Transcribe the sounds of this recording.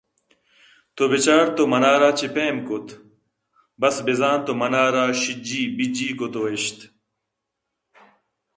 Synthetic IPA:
t̪obet͡ɕaːɾt̪omɐnaːɾaːt͡ɕepeːmkot̪ | bɐsbezaːnt̪omɐnaːɾaːɕid͡ʑiːbid͡ʑiːkot̪oeɕt̪

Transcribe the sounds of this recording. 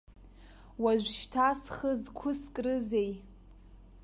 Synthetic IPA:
waʒʷʃtʰasχəzkʷʰʊskʼrɨzej

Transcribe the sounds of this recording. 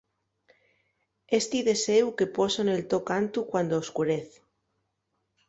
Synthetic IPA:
est̪iðe̞sewke̞posonelt̪okant̪ukwand̪ooskuɾeθ

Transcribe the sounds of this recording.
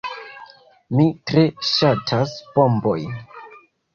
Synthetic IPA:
mitɾe̞ʃatʰasb̥o̞mbo̞j

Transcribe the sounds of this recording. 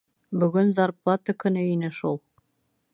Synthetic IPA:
bɵ̆ɡɵnzɑɾpˠɑt̪əkɵ̆nɵinɘʃulˠ

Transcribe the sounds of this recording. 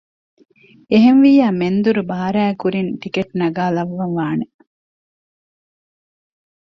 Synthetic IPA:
eɦenʋiːjaːmend̪uɾubaːɐɾæːkuɾinʈ̪ikeʈnɐɡaːlɐʋːɐnʋaːne

